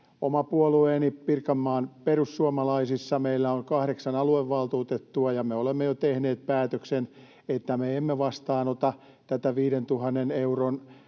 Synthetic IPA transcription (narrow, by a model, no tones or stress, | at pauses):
omɑpuolueːnipirkɑmːɑːnperusːuomɑlɑisisːɑmeilːæoŋkɑhɾeksɑnɑlueʋːɑlt̪uːt̪et̪ːuɑjɑmeolemːejot̪ehneːt̪̚pæːt̪øksen | et̪ːæmeemːeʋɑst̪ɑːnot̪ɑ | t̪æt̪æʋiːɾent̪uhɑnːeneuron